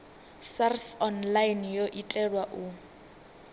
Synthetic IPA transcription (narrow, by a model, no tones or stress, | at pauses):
sarsɔnlajnjoʔitʼɛlwaʔu